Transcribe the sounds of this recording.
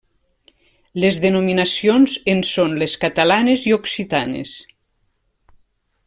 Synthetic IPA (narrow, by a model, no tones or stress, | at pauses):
lezðenominasionzensonleskat̪alanezioksit̪anḛs